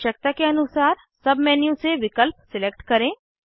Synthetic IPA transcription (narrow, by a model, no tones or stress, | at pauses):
ʃɐk̚t̪akeɐnʊsaːɾ | sɐbmɛːnjũseʋɪkəlp̚sɪlek̚ʈkɐɾẽː